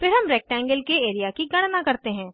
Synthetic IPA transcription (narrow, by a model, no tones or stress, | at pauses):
fʰɪɾɦɐmɾɛːk̚ʈɛ̃ːŋɡəlkeeːɾijakiɡɐɽ̃nakɐɾt̪eɦɛ̃ː